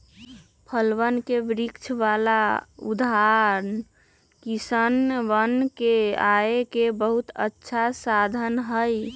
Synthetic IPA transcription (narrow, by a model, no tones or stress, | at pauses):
pʰəlʋənkeʋɾikt͡ʃʰʋalaud̪ʱaɾn | kisənʋənkeaekebəɦut̪ə̰tːʃʰasad̪ʱənɦəj